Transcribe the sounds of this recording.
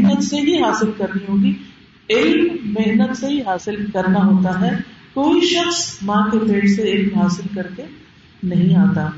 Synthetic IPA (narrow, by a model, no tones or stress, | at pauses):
ɦnət̪seɦiɦaːsɪlkɐɾniɦoːɡi | ɪlmmɪɦnət̪seɦiɦaːsɪlkɐɾnaɦoːt̪aɦɛːkoːiʃɐxsmãkepeːʈseɪlmɦaːsɪlkɐɾke | nɐɦĩaːt̪aː